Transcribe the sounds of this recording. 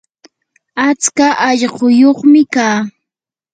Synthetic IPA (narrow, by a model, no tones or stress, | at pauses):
at͡skaʔɑʎɢʊjoχmɪkaː